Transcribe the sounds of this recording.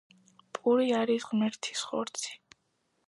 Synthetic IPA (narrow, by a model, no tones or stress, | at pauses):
pʼuɾiaɾisʁmɛɾt̪ʰi̥sχɔ̰ɾt̪sʰi̥